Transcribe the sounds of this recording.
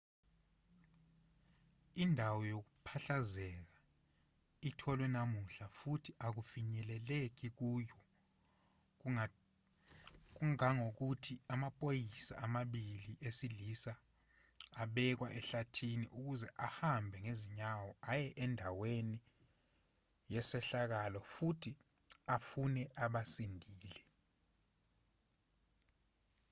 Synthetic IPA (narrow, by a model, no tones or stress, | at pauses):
indʱawɔjok̬upʰaɬazɛːk̬a | itʰɔlwɛnamuɬafutʰiʔak̬ufiɲɛlɛlek̬ik̬uːjɔ | k̬uŋaŋok̬utʰiamapʼojisa̰ʔamaɓiliʔesilisaː | ɓɛk̬wa̰ʔɛɬatʰinḭʔuk̬uzɛʔahambʱɛŋeziɲawɔajɛʔɛndʱaweni | jɛsɛɬak̬alɔfutʰi | afunɛʔaɓasindʱiːlɛ